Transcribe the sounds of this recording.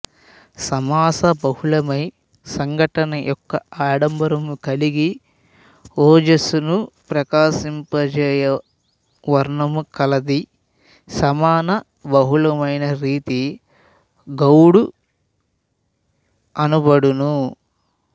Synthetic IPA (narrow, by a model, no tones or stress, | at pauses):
sɐmaːsɐbɐhulɐmɐj | sɐŋɡʱɐʈɐnɐjʔɔkːɐaːɽɐmbɐɾɐmukɐliɡi | ɔːd͡ʒɐsunupɾɐkaːsimpɐd͡ʒɛːjɐ | ʋɐɾɳɐmukɐlɐd̪i | sɐmaːnɐ | bɐɦulɐmɐjnɐɾiːt̪i | ɡɐwɽu | ɐnubɐɽunu